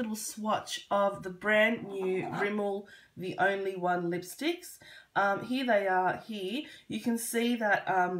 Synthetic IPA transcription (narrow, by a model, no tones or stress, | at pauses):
ɾl̩ˠswɑt͡ʃʌvðəbɹæ̃nːjʉɹɪ̃ml̩ˠ | ðiʔõ̰ʊ̃nliwʌ̃nlɪpstɪksʔʌ̃mɦiəðeɪə˞hiɹjɨkʰɨ̃nsiðət̚ʌ̃m